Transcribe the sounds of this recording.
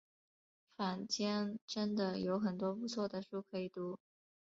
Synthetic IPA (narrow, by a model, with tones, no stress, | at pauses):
fa˨˩nt͡ɕjɛ˥nʈ͡ʂə˥nd̪ə˨jo˧˥ʊxə˨˩nt̪wɔ˥pu˧˥t͡sʰwɔ˥˩d̪ə˩ʂu˥˩kʰɤ˧˥i˨˩t̪u˧˥